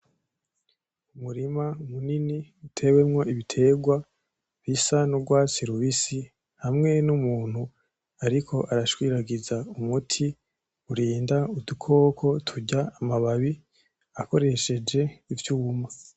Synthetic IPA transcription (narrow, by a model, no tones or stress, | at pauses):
umuɾimaumuniniutʰe̞we̞mŋo̞ʔiβitʰe̞ɡwa | βisanuɾɡwaːt͡siɾuβisi | hamŋe̞numuːn̥hu | aɾikʰo̞ʔaɾaʃwiːɾaɡizaumutʰi | uɾiːndaudukʰo̞ːkʰo̞tʰuɟaːmaβaβi | ako̞ɾe̞ʃe̞d͡ʒe̞ivjuːma